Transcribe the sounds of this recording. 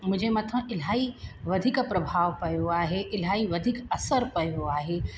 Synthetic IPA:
mʊ̃d͡ʒʱemɐt̪ʰə̃ʔɪl̤aːiʋɐd̪ʱikpɾɐbʱaːʋpɐjoaːɦeʔɪlɦaːiʋɐd̪ʱikɐsəɾpɐjoaːɦeː

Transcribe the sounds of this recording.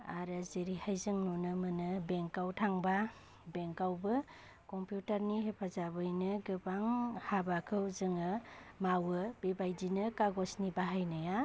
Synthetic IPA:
aɾɯzeɾihajzɯŋnunɯmɯnɯbeŋkawtʰaŋba | beŋkawbɯ | kɔmpjutaɾniɦepʰazabɯjnɯɡɯbaŋhabakʰɯwzɯŋɯmawɯb̥ebajdinɯkaɡɔsnibaɦajnaja

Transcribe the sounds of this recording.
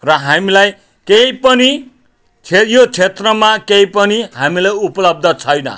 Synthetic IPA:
rʌɦamilaj | kejpʌni | t͡sʰejot͡sʰet̪rʌmakeipʌniɦamilajupʌlʌb̚d̪ʱʌt͡sʰʌjnʌ̰

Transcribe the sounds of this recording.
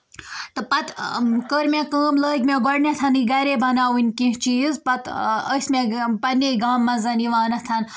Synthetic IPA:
t̪ɨpɐt̪kəɾmʲekəːmləːɡʲmʲeɡɔɽnʲɐt̪ʰɐniɡɐɾebɐnaːwinʲkĩɦt͡ʃiːzpɐt̪əsʲmepɐneɡaːmːɐzɐniʋaːnɐt̪ʰɐn

